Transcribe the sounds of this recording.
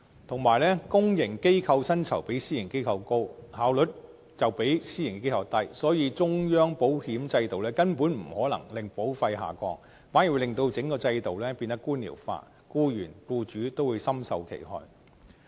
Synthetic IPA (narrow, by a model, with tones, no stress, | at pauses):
t̪ʰʊ˨˩ŋmaː˨˩jlɛː˥kʊ˥ŋjɪ˨˩ŋke˥jkʰɐ˧wsɐ˥nt͡sʰɐ˨˩wpe˨˥jsiː˥jɪ˨˩ŋke˥jkʰɐ˧wko˥whaː˨˥wlɵ˨˥t̚ | t͡sɐ˨˩wpe˨˥jsiː˥jŋkːke˥jkʰɐ˧wt̪ɐ˥jsɔː˨˥jiː˨˧t͡sʊ˥ŋjœː˥ŋpo˨˥whiː˨˥mt͡sɐ˧jt̪o˨wlɛː˥kɐ˥npuː˨˥nm̩˨˩hɔː˨˥lɐ˨˩ŋlɪ˨ŋpo˨˥wfɐ˧jɦa̰ː˨kʷɔː˧ŋ̚ | faː˨˥nji˨˩lɪ˨ŋt̪o˧wt͡sɪ˨˥ŋkɔː˧t͡sɐ˧jt̪o˨wlɛː˥piː˧nt̪ɐ˥kːuː˥nlḭː˨˩wfa̰ː˧ | kuː˥jyː˨˩nkuː˧t͡ʃyː˨˥t̪o˥wuː˨˧jsɐ˥msɐ˧wkʰḛ˨˩jhɔ̰ː˧j